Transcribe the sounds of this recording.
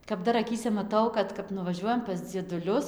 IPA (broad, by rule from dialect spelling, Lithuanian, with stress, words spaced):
kɐp ˈdɐr ɐˈkʲiːsʲɛ mɐˈtɐʊ ˈkɐt kɐp nʊʋɐˈʒʲuɔjɛm pɐs d͡zʲiɛdʊˈlʲʊs